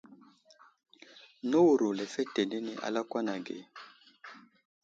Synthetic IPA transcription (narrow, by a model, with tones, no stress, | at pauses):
no˦u˨ɾu˨lɛ˨fɛ˦tɛ˨ne˦ni˨ʔa̰˨la˦kwa˦na˨ɡɛ̰˨